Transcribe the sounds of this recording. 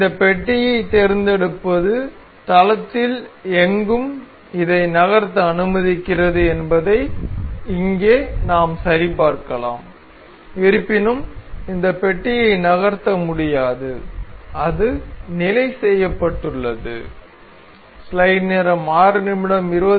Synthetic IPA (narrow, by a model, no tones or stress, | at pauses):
ɪnd̪ɐpɛʈːɪjɐɪt̪ɛɾɪnd̪ɛɽɯpːɐðɯ | t̪ɐlɐt̪ːɪlɛŋɡɯm | ɪðɐɪnɐɣɐɾt̪ːɐɐnɯmɐðɪkːɪrɐðɯɛnbɐðɐɪɪŋɡeːnaːmsɐɾɪpaːɾkɐla̰ːm | ɪɾɯpːɪnɯmɪnd̪ɐpɛʈːɪjɐɪnɐɣɐɾt̪ːɐmʊɽɪjaːðɯɐðɯnɪlɐɪsɛjːɐpːɐʈːɯɭːɐðɯ̰ | slɐɪneːɾɐmaːɾɯnɪmɪɽɐmɪɾoː